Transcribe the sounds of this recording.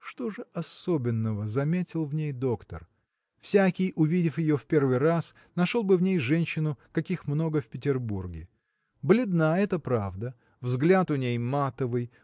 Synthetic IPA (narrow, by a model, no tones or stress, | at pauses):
ʂt̪o̞ʐɨʔɐso̞bʲɪnːəvəzɐmʲetʲɪlˠvnʲejd̪o̞kt̪ə̰r | fsʲakʲɪjʔʊvʲidʲɪfjɪjofpʲe̞rvɨjras | nɐʂolˠbɨvnʲejʐɛnʲɕːɪnʊkɐkʲixmno̞ɡəfpʲɪtʲɪrburɡʲɪ | blʲɪd̪naɛt̪əpɾavd̪ə | vzɡlʲat̪ʊnʲejmat̪əvɨj